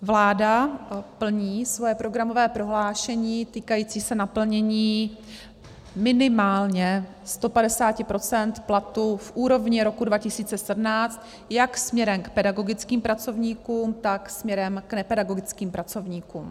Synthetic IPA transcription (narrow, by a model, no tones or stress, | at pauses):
vlaːdapl̩ɲiːsvo̞jɛpɾo̞ɡɾamo̞vɛːpɾo̞ɦlaːʃɛɲiːt̪iːkajiːt͡siːsɛnapl̩ɲɛɲiː | mɪnɪmaːlɲɛ | st̪o̞padɛsaːcɪpɾo̞t͡sɛnt̪plat̪ufʔuːɾo̞vɲɪɾo̞kudvacɪsiːt͡sɛsɛdnaːt͡st̪ | jaksmɲɛɾɛmkpɛdaɡo̞ɡɪt͡skiːmpɾat͡so̞vɲiːkuːmt̪aksmɲɛɾɛmknɛpɛdaɡo̞ɡɪt͡skiːmpɾat͡so̞vɲiːkuːm